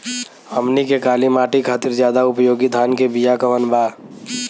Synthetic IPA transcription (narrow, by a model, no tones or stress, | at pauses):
əmnikekaːlimaːʈikʰaːt̪ɪɾzjaːd̪aʊpjoːɡid̪ʱaːnkebijakəʋənbaːɾ